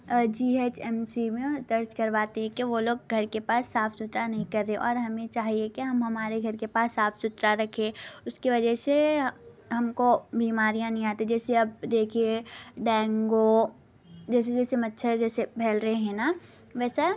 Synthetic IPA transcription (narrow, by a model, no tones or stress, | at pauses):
d͡ʒiːeːt͡ʃɛːmsimẽd̪ɐɾt͡ʃkɐɾʋaːt̪eɦɛ̃kiʋoloːɡɡʱɐɾkepaːsːaːpsʊt̪ɾanɐɦĩkɐɾːeẽʔɔːɾɦɐmẽt͡ʃaːɦiekiɦɐmɦɐmaːɾeɡʱɐɾkepaːsːaːpʰsʊt̪ɾaɾɐkʰẽːʊskiʋɐd͡ʒɛse | ɦɐmkobʱiːmaːɾijãnɐɦĩaːt̪ẽd͡ʒɛːseɐb̚d̪eːkʰieɖɛ̃ːŋɡo | d͡ʒɛːs̬ed͡ʒɛːsemɐtːʃʰəɾd͡ʒɛːsebʱɛːlɾɐɦeɦɛ̃na | ʋɛːsa